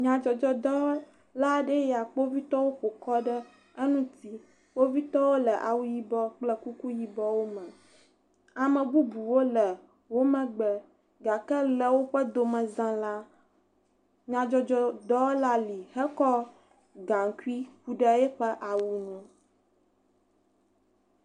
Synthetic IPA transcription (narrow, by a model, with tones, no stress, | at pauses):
ɲã˨d͡ʒɔ˨d͡ʒɔ˦d̪ɔ˦ | la˦ɖə˦ja˨k͡po˦vi˦t̪ɔ˦wo˦ɸo˨kɔ˦ɖə˦ | ə˦nũ˦t̪i˦ | k͡po˦vi˦t̪ɔ˦wo˦lə˨ʔa̰˨wu˦ji˦bɔ˦k͡plɛ˦ku˦ku˦ji˦bɔ˦wo˦mə̃˨ | a˨mə̃˨bu˦bu˨wo˦lə˨ | wo˦mɛ̃˨ɡ͡bɛ˨ | ɡa˨kɛ˦lə˨wo˦ɸə˦d̪o˨mɛ̃˨zã˦la˦ | ɲã˨d͡ʒɔ˦d͡ʒɔ˦d̪ɔ˦wla˦li˨hɛ˦kɔ˦ | ɡa˨ŋ˨ku˦i˦ɸu˨ɖɛ˦ɛ˦ɸɛ˦ʔa˨wu˨nũ˦